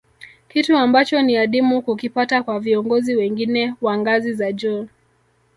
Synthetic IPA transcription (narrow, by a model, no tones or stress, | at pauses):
kituambat͡ʃɔniaɗimukukipatakwaviɔŋɡɔziwɛŋɡinɛwaŋɡazizaʄɔ